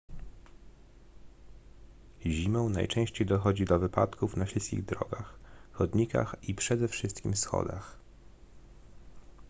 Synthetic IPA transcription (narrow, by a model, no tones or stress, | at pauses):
ʑimɔ̃w̃na̰jt͡ʂɛ̃ɕt͡ɕejd̪ɔxɔd͡ʑid̪ɔvɘpa̰t̪kufnaɕilskʲḭɣd̪ɾɔ̰ɡaxxɔd̪ɲika̰xipʂɛd̪ɛfʂɘst̪kʲimsxɔ̰d̪ax